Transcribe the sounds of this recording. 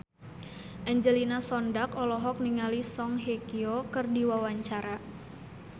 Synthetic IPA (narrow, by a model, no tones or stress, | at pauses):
ʔɛɲd͡ʒəlinasɔndakɔlɔɦɔk̚niŋalisɔŋɦekiokɨrdiwawaɲt͡ʃaɾa